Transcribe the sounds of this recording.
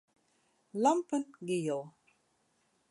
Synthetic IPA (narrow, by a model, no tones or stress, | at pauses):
lampənɡijo